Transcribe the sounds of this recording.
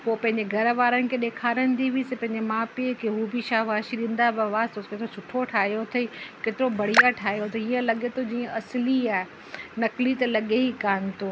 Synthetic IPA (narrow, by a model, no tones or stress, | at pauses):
poːpɐ̃ɦɪ̃ɲ̆d͡ʑeɡʱɐɾʋaːɾənɪ̆kʰeːɗeːkʰaːɾənɪ̆t̪iʋisẽpɐ̃ɦɪ̃ɲd͡ʑemãːpekeɦubʱiʃaːɦʋaːʃiɗĩːn̆d̪abaʋaːst̪ʰokeːt̪ɪɾosʰʊʈʰoʈʰaːɦijot̪ʰɐikeːt̪ɪɾobɐɽ̤ijaʈʰaːɦijot̪ʰɐiːə̃lɐɠet̪ʰod͡ʑiːə̃ɐsliaːɦe | nɐklit̪ɐlɐɠeɦikaːnɪ̆t̪ʰoː